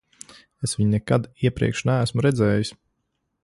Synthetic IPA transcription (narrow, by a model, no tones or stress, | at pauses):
esvʋiɲnɛkad̪iɛpɾḭkʃnææsmuɾɛd̪zɛːjis